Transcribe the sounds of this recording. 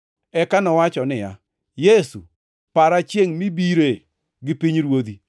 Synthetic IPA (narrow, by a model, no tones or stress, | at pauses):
ɛkanɔwat͡ʃɔnɪja̰ | jesṵ | paɾat͡ʃjeŋmibiɾe | ɡɪpiɲɾwod̪i